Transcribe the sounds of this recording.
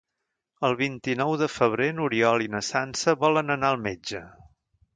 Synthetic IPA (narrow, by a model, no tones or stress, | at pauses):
əlˠβint̪inɔwðəfəβ̞ɾenuɾiɔlinəsansəβɔlənənaəlˠmed͡ʒə